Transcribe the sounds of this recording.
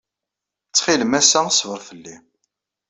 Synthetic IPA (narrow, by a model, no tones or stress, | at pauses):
t͡sːχiləmæsæsvəɾˤθəlːi